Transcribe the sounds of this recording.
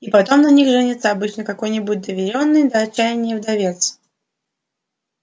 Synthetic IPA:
ipɐt̪o̞mnɐnʲixʐɨnʲɪt̪səɐbɨt͡ɕnəkɐko̞jnʲɪbut̚ʲd̪əvʲɪɾʲo̞nːɨjd̪əɐt͡ɕːæjɪnʲɪjəvd̪ɐvʲet̪s

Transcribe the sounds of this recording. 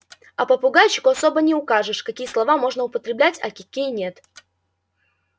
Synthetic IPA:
ɐpəpʊɡajʲɕːɪkʊɐso̞bənʲɪʊkaʐɨʂkɐkʲijəslˠɐvamo̞ʐnəʊpət̪ɾʲɪblʲætʲɐ̰kʲɪkʲijnʲe̞t̪

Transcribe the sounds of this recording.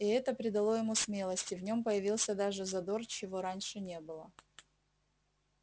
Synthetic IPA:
ɪɛt̪əpɾʲɪd̪ɐlˠo̞jɪmusmʲe̞lˠəsʲtʲɪvnʲo̞mpəjɪvʲilˠsʲəd̪aʐɨzɐd̪o̞rt͡ɕɪvo̞ɾanʲʂɨnʲe̞bɨlˠə

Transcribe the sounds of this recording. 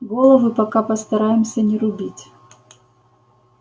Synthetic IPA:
ɡolˠəvɨpɐkapɐst̪ɐɾajɪmsʲənʲɪɾʊbʲitʲ

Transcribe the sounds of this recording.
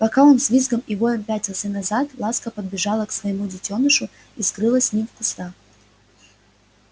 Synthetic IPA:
pɐkaonsvʲizɡəmivojʲəmpʲætʲɐsɨnɐzat̪lˠaskəpəd̪̚bʲɪʐalˠəksvəjɪmudʲɪtʲonɨʂʊ | iskɾɨlˠəsʲnʲimfkʊst̪a

